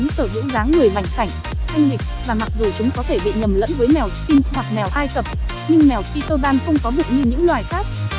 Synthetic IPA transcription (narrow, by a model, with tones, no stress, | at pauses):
ŋ͡msɨː˧˩zɨ̰˧˥zaː˨˦ŋːɨ˨˩əjma˨˩jŋ̟sa˧˩jŋ̟ | t̪ʰa˧jŋ̟ɗi˨˩k̟̚vaː˨˩ma˨˩k̚zu˨˩t͡ɕʊ˨˦ŋ͡mkɔ˨˦t̪ʰe˧˩ɓḭ˧˨ɲə˨˩mlə̰˧˥nvəː˨˦jmɛ˨˩wki˧nhwa˨˩k̚mɛ˨˩wʔaː˧jk̪ə˨˩p̚ | ɲɨ˧ŋmɛ˨˩wxi˧t̪ə˧zaː˧nxə˧wŋ͡mkɔ˨˦zɨ̰˧˨w̚ɲɨ˧ɲɨ̰˧˥ŋlwaː˨˩jxaː˦˥p̚